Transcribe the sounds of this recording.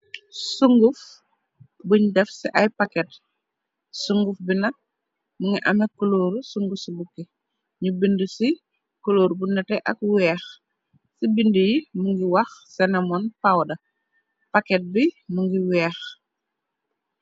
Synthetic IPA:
suŋɡuf | buɲdɛfsiʔɐjpakɛt̚ | suŋɡufbinɐk̚ | muŋɡiʔɐmɛkuloːɾusuŋɡufsibukːɛ | ɲubindusi | kuloːɾbunɛtɛʔɐ̰k̚wɛːx | sibindujimuŋɡiwɐxsɛnɐmɔnpawdɐ | pakɛt̚bimuŋɡiwɛːx

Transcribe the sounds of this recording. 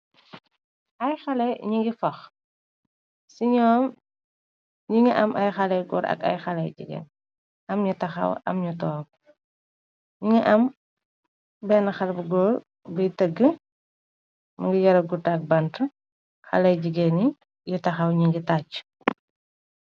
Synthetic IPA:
ʔɐjxɐlɛɲiŋɡifɐx | siɲɔːm | ɲiŋəʔɐmʔɐjxɐlɛɡɔ̰ːɾɐ̰kɐ̰jxɐlɐjd͡ʒḭɡɛ̰n | ʔɐmɲutɐxɐ̰wɐ̰mɲutɔːk̚ | ɲiŋɐʔɐm | bɛnɐxɐlbɐɡɔːr | bəjtəɡːə | muŋɡijɐɾɐɡutaːk̚bɐntə | xɐ̰lɛjd͡ʒiɡɛni | jutɐxɐwɲiŋɡitat͡ʃː

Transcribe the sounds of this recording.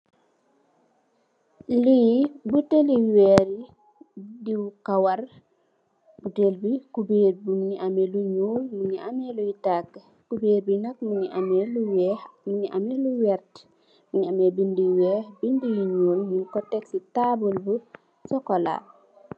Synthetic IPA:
libuteliwɛɾi | diwkawar | butelbikubeːɾbuŋɲiʔameluɲuːlmuɲiamelujitakː | kubeːɾbinɐk̚muɲiameluwɛmuɲiʔamɛluwɛɾt | muɲiamɛbindiwɛːhbindijiɲuːlmunkɔtɛksitabulbu | sɔkɔla̰

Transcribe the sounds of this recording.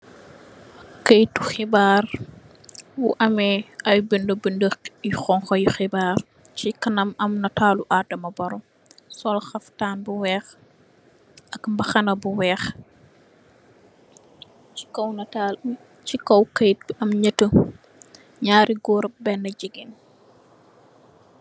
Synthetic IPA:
kəjtuxibaːr | wṵʔɐmɛɐjbəndəbəndəxjuxɔŋxɔjuxibaːr | cikɐnɐmɐmnɐtaːluʔadɐmɐbɐɾɔ | sɔlxɐftaːnbuwɛːx | ʔɐkmbɐxɐnɐbuwɛːx | t͡ʃi̥kɔwnɐtal | cikɔwkɐjt̚bɐmɲətə | ɲaːɾiɡɔːɾɐp̚bɛnːɐɟiɡin

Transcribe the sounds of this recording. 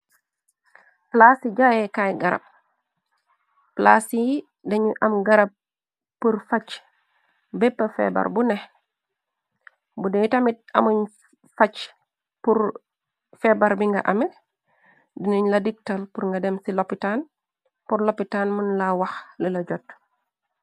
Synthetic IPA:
plasiɟajɛkajɡaɾɐ̰b̚ | pla̰siji | dɐɲuʔɐmɡaɾɐb̚ | pːuɾfat͡ʃ | bɛpːɐfɛ̰ba̰ɾbunɛh | budɛjtamit̚ɐ̰muɲ | fat͡ʃ | puɾ | fɛbaɾbiŋɡa̰ʔɐmɛ | diniɲlɐdik̚talpuɾŋɡɐdɛmsilopitan | puɾlopːitanmunlawɐxlilɐɟɔt̚

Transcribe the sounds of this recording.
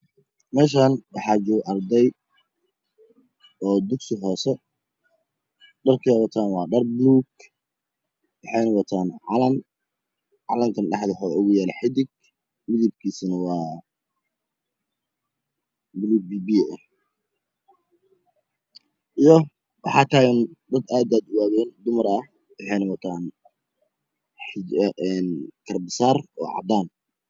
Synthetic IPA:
mɛːʃ̬aːnwɑħɑːt͡ʃɔːɡʔɐrd̪ɛj | ɔːd̪ʊksɪɦɔːsɛ | ɖɐrkʰɛwɑt̪ʰaːnwɑːɖɐrbluːɡ | wɑħɑjnɐwɑt̪ʰaːnʕɑlɐn | ʕɑlɐŋkʰɐnɖɑħd̪ɛħɔʊɣʊjaːlɛħɪd̪ɪɡ̚ | mɪðɪb̚kʰiːsɐnɐwɑː | blubiːbiɛ | ʔijɔ | wɑħɑːk̪ʰaːjɐnd̪ɐd̪aːd̪aːd̪ʊwaːðɛːnd̪ʊmɐɾɐh | wɑħɑjnɐwɐt̪ʰaːn | ħɪʔɛnkʰɐrbɪsaːrɔ̰ːʕɑ̰d̪aːn

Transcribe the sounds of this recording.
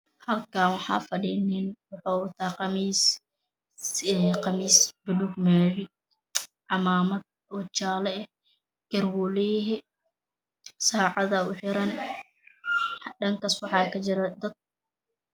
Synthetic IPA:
hɐlkaːnwɑħɑ̰ːfɐɖiːnɪnwɑħɔːwɐt̪ʰaːqɑmiːs | qɑmiːsbɪlʊɡmɛːlɪ | ʕɑmaːmɐd̪̚ | ɔt͡ʃaːlɛɛ | ɡ̥ɐrwʊlɛɦɛ | saːʕɑðɐʊħɪɾɐn | ɖɐŋkɐswɑħɑːkʰɐt͡ʃɪɾɐd̪ɐd̪̚

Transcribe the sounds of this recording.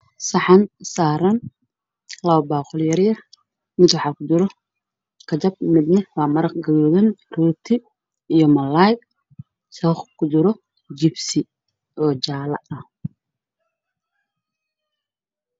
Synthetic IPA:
sɑħɑnsaːɾɐn | lɐwbaːqʊljɐɾjɐ | mɪd̪wɑħɑːkʰʊd͡ʒɪɾɔ | kʰɐt͡ʃɐb̚mɪd̪nɛwaːmɐɾɐqɡɐɣɔːðɐnruːt̪ʰɪ | ijɔmɐlajk | sɔχkʰʊd͡ʒɪɾɔ | d͡ʒɪbsɪ | ʔɔːt͡ʃaːlɐ̰ɐh

